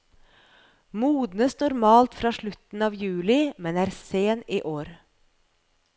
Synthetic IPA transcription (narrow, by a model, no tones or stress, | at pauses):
muːd̪nəsnʊɾmɑːlt̪fɾɑːʃɭʉt̪n̩ɑːʋjʉːlɪmɛnæːɾseːniːʔoːɾ